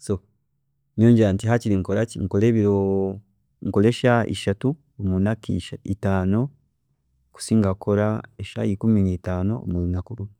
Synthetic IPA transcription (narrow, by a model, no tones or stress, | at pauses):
so | moːɲɟeɾantiɦaciɾiŋkolaciŋ̩koleβiɾo | ŋkoleʃaʔḭʃatu | omunakḭʃaitaːno̞ | ku̥siːŋɡakoɾaeʃa̰ikuminitaːno̰o̰mulunakuɾumu